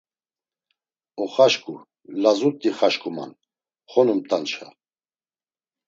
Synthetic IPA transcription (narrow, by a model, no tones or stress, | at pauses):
ɔχaʃkʼu | lazut̪ʼːiχaʃkʼuma̰n | χɔnumt̪ʼant͡ʃʰa